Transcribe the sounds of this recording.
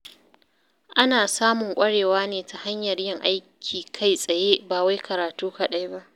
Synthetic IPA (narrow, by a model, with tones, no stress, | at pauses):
ʔa˦naː˨saː˦mʊ˨ŋkʷʼɐ˦ɽeː˨waː˦neː˨tʰa˨ha˦ɲjɐ˨rjɪ˦˨ŋʔa˦jkʲʰiː˨kʰa˦˨jsʼɐ˨jeː˦baː˨wa˦jkʰɐ˨ɾaː˨tuː˦ka˨ɗa˦jba˦ʔ